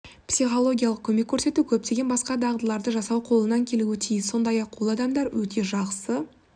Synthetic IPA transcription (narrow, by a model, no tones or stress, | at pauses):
psiχo̞lˠo̞ɡʲijɑlˠəq̚kʲʰɵme̞kʲʰːɵɾse̞t̪ukʲʰɵp̚t̪e̞ɡʲe̞nbɑsqɑd̪ɑʁd̪əlˠɑɾd̪əʒɑsɑwqʰo̞lˠənɑŋkʲʰe̞luɪt̪ʰijɪsːo̞nd̪ɑjɑqwolˠɑd̪ɑmd̪ɑɾwɵt̪ʰe̞ʒɑqsə